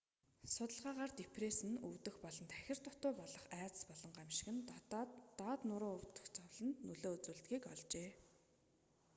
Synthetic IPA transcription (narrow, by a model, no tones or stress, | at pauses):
sʊt̪ə̆ɮʁaːʁaːrt̪epʰresɘ̆nuwt̪ɘ̆xpɔɮɞ̆nt̪ʰæxʲɪ̆r̥t̪ʰʊt̪ʊːpɔɮɞ̆χæːt͡sə̥̆spɔɮɞ̆ɴɢamʃɪ̥̆ɣɘ̆n | ɔːt̪nʊɾʊːʊwt̪ə̆xt͡sʰɔwɮə̆nt̪nɵɮoːɵt͡suːɮt̪ɡiːkɔɮt͡ɕeː